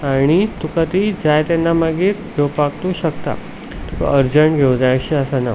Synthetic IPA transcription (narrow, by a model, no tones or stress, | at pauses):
aɽ̃it̪ukat̪id͡zajt̪anːamaɡiːɾɡʱewpakt̪uːɕəkt̪a̰ | t̪uka̰ʔəɾd͡ʑəɳɡʱewd͡zajɕiəsana